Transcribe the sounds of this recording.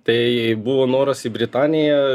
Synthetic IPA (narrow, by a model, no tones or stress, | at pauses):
t̪ɐɪbuʋoːnoːɾɐsibʲɾʲɪt̪ɑːnʲɪjɛ